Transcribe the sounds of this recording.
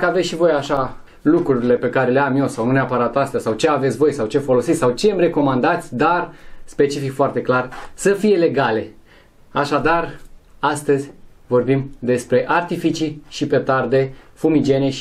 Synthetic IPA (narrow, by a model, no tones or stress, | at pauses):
kəavet̪ʃivo̞jaʃa | lukɾuɾile̞pe̞kaɾe̞leamje̞wsaw̪uneapaɾat̪ast̪easawt͡ʃe̞avet̪sʲvo̞jsawt͡ʃe̞fo̞lo̞sit̪ʲsawt͡ʃe̞mre̞ko̞mand̪at̪sʲd̪arspe̞t͡ʃifikfoart̪e̞klarsəfije̞le̞ɡale̞ | aʃad̪arast̪əzʲ | vo̞rbimd̪e̞spɾe̞ʔart̪ifit͡ʃiʃipe̞t̪ard̪e̞fumid͡ʒe̞neʃ